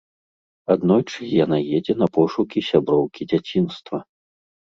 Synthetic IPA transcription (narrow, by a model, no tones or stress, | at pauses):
ad̪nɔjt͡ʂɨjanajɛd͡zʲɛnɐpɔʂukʲisʲabɾɔwkʲid͡zʲat͡sʲinst̪vɐ